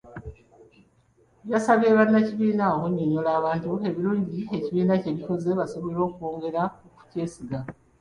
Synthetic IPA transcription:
βjasaβe̞ːβanːaciβiːnaokuɲːoɲolaːβaːntue̞βiɾuːɲɟie̞ciβiːnace̞βiko̞zeβasoβelo̞ːkuoːŋɡe̞ɾaoku̥ce̞ːsiɡa

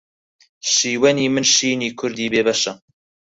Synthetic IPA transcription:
ʃiːwɐniːmɨnʃiːniːkʰʊɾd̪iːbeːbɐʃɐ

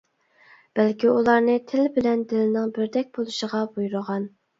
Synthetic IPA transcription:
b̥ɛlkʲʰiulˠɑɾnɨt̪ʰɪlbɪlɛnd̪ɪlɪnɪŋbɪɾd̪ɛk̚ʲbolˠuʃəʁɑbujuɾəʁɑn

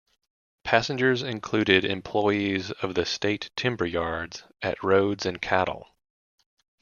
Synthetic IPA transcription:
pʰæsɨ̃nd͡ʒə˞zɨ̃nkʰl̥ʉɾɪɾɪ̰̃mpʰl̥ɔɪizʌvðɨsteɪtʰɪ̃mbə˞jɑɹdz̥ | ɨ̰ʔ̚ɹoʊdzɨ̃nkʰæɾl̩ˠ

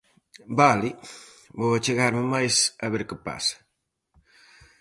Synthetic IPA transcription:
balibowat͡ʃeɣaɾmɪmajsɐβeɾkɪpa̰sɐ̥

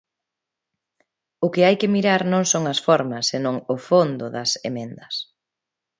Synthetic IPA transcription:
ʊkɪajkɪmiɾaɾnõŋsoŋɐsfɔɾmɐsːenõŋʊfond̪ʊðɐsemẽnd̪ɐs

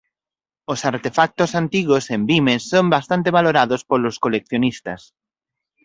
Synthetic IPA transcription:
osaɾt̪efak̚t̪osant̪iɣosembimesːombast̪ant̪eβ̞aloɾaðospoloskolek̚θjonist̪as

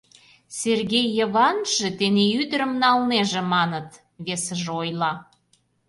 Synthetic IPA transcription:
serɣʲejːəβɑnʒ̥et̪eneyd̪əɾə̆mnɑlneʒĕmɑnət̪ | βesə̆ʒeojlˠɑ

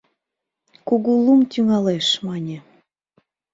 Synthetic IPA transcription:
kuɣulumt̪yŋɑleʃmɑnʲe

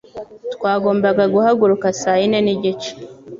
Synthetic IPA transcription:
tkwaːɡoːmbaɡaɡuhaɡuɾukasaːjineniɟit͡ʃe̥

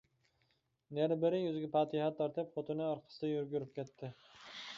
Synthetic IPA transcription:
næɾbɪɾɪjøzɡʲɛpɑːt̪ʰɪhɑt̪ːɑɾt̪ɪpfot̪ɨnɨɑɾqʰə̥sɨd̪ɛjyɾɡʲyɾyp̚kʲɛt̪ʰːɪ

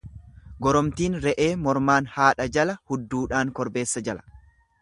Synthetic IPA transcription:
ɡɔɾɔmt̪iːnɾɛʔe̞ːmɔɾmaːnhaːᶑɐd͡ʒɐlɐhʊd̪ːuːᶑaːŋkɔɾbe̞ːsːɐd͡ʒɐlɐ̥

